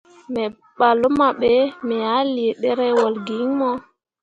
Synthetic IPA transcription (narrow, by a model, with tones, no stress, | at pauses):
mɛ˨ | ɓa˨lɔ˦ma˨ɓɛmɛ˨ja˦li˨ɗɛ˦ɾɛ˦wɔ˨lɡi˨ŋmɔ˦